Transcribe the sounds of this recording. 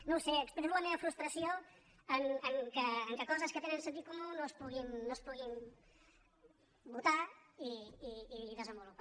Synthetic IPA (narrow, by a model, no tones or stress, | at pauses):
nowseəkspɾmoɐmeəfɾust̪ɾəsio | əŋəŋkəːŋkəkɔzəskət̪enə̃ns̬ənt̪it̪̚kumunospuɣinːospuɣim | but̪aiiːðəzəmbulupa